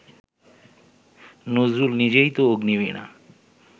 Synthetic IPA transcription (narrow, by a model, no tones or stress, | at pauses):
nozɾulnid͡ʑejt̪ooɡniβina̰